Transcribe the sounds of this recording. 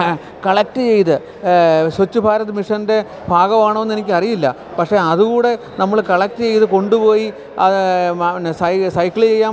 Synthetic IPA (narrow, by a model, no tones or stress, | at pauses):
kɐɭɐk̚tɨt͡ɕe̞jt̪ɨ | swɐt͡ɕːubʱaːɾɐðɨmiʂɐnde̞ | bʱaːɣɐmaːɳonːe̞nikʲːɐrijilːɐ̰ | pɐkʂe̞ɐðuɣuːɽe̞ | nɐmːɐɭkɐɭɐk̚tɨt͡ɕe̞jt̪ɨko̞ɳɖupo̞ːji | ɐ | sɐsɐjkːiɭit͡ɕe̞jːaː